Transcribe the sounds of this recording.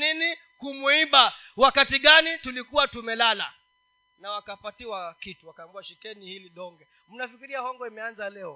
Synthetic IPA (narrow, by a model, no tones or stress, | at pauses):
nini | kumuiɓa | wakatiɠanitulikuwatumɛlala̰ | nawakapatiwakituwakamɡuaʃikɛnihiliɗɔŋɡɛ | m̩nafikiɾiahɔŋɡɔimɛanzalɛɔ